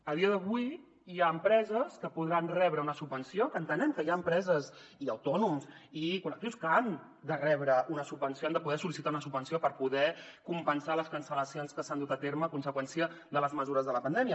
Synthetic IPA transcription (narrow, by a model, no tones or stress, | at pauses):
əð̞iəðəβuj | jaəmpɾɛzəskəpuðɾanrɛβɾəunəsubbənsiokəːnt̪ənɛmkəjaəmpɾɛzəziəwt̪ɔnumzikulək̚t̪iwskəan | d̪ərɛβɾəunəsub̚bənsioand̪əpuð̞ɛsulisit̪aunəsubənsiopəɾpuðɛkumpənsaləskənsələsijonskəsand̪ut̪ət̪eɾməːkunsəkwɛnsiə | ðələzməzuɾəzðələpənd̪ɛmiə